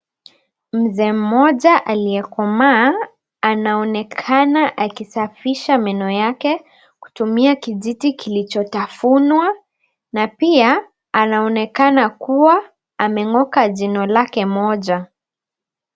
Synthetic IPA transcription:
m̩zɛːm̩mːɔʄaʔaliɛkɔmaː | naɔnɛkʰanaʔakisafiʃamɛnɔjakɛ | ku̥tumiakiʄitikilit͡ʃɔtafunwa | napiaː | naɔnɛkanakuwa | amɛŋɔkaʄinɔlakɛmɔʄa

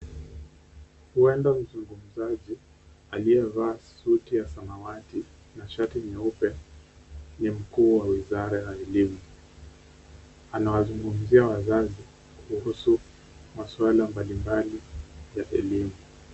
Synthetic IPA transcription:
huɛndam̩zuŋɡum̩zaʄi | aliɛvaːsutijasanawati | naʃatiɲɛupɛ | nim̩kuːwawizaɾajaɛlimu | anawazuŋɡum̩ziawazazi | kʰuhusu | maswalambalimbalijaʔɛlimu

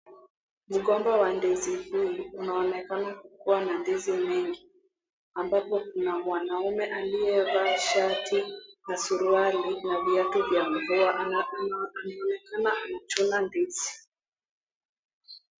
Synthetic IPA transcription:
m̩ɠɔmbawandizihuunaɔnɛkanakukuwanandizimɛŋɡi | ambapɔkunamwanaumɛʔaliɛvaːʃatinasuɾualinaviatuvjamvua | anaɔnɛkanaanat͡ʃunandizi̥

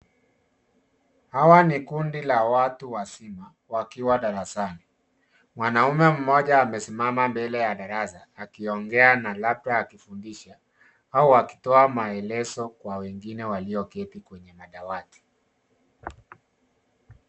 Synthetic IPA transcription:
hawanikundilawatuwasima | wakiwaɗaɾasani | mwanaumɛm̩mɔʄaːmɛsimamambɛlɛjaɗaɾasaːkiɔŋɡɛanalap̚taːkifundiʃa | auaki̥tɔamaɛlɛzɔkwawɛŋɡinɛwaliɔkɛtikwɛɲɛmaɗawati̥

